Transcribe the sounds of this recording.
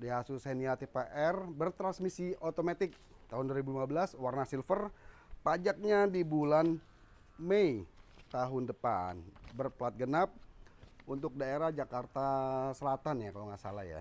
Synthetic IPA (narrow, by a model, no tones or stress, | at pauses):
diɦasuseniat̪epeʔɛrbərt̪ɾansmisiot̪omat̪ɪk̚ | t̪aɦunduaɾibulimabəlaswarnasilfər | pad͡ʒak̚ɲadibulan | meit̪aɦʊndəpa̰nbərplat̪̚ɡənap̚unt̪ʊk̚daeɾahd͡ʒakart̪asəlat̪anjakaloŋasa̰lahja̰